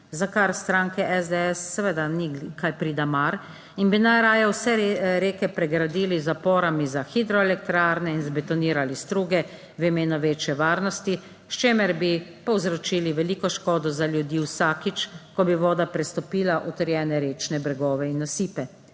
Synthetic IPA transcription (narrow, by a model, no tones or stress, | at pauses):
zakaɾst̪ɾaːŋkɛʔɛzd̪ɛɛsːɛʋed̪anikajpɾiːd̪amaɾ | inbinajɾaːjɔwsɛɾeːkɛpɾɛɡɾad̪iːlizapɔːɾamizaxid̪ɾɔɛlɛkt̪ɾaːɾnɛinzbɛt̪ɔniːɾalist̪ɾuːɡɛ | ʋimeːnɔʋeːt͡ʃjɛʋaːɾnɔst̪i | ʃt͡ʃeːmɛɾbipɔwzɾɔt͡ʃiːliʋɛliːkɔʃkɔːd̪ɔzaljud̪iːwsakit͡ʃkɔbiʋɔːd̪apɾɛst̪ɔpiːlaʔɔt̪ɛɾjɛːnɛɾeːt͡ʃnɛbɾɛɡɔːʋɛinːasiːpɛ